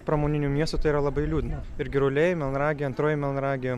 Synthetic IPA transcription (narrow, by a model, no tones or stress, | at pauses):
pɾɐmoːnʲɪnʲuːmʲiɛst̪ʊːt̪ɐɪiɾɐlˠɐbɐɪlʲuːd̪ʲɪnɐ | ɪɾʲɡʲɪɾʊlʲeːjɛmʲɛlˠnɾɑːɡʲɪjɐnt̪ɾoːjɛmʲɛlˠɐnɾɑːɡʲɪjo